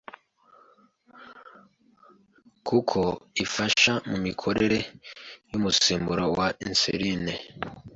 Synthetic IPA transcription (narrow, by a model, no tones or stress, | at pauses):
kʰukʰoifaʃamumikʰo̞ɾe̞ɾe̞jumusiːmbuɾawainsḛɾine